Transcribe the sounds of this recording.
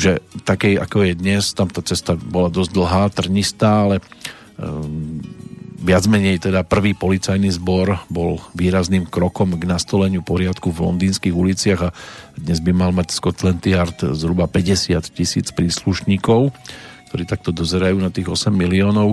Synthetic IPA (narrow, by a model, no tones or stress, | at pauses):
ʒɛt̪akɛja̰kɔjɛd̪ɲɛst̪amt̪aːt͡sɛst̪abɔlad̪ɔzd̪l̩ɦaːt̪r̩ɲist̪aːalɛ | ʋɪad͡zmɛɲɛjt̪ɛd̪apr̩ʋiːpɔlit͡sajnizbɔɾbɔlʋiːɾazniːmkɾɔkɔmɡnast̪ɔlɛɲɪupɔɾɪat̪kuvlɔ̰nd̪iːnskiːɣulit͡sɪaɣad̪ɲɛzbimalmacskɔt̪lɛnt̪iaɾt̪zɦɾubapɛɟɛsɪat̪cisḭːt͡spɾiːsluʃɲiːkɔʊk̚t̪ɔɾiːt̪ak̚t̪ɔd̪ɔzɛɾajuːnat̪iːɣɔsɛmːiliɔːnɔʊ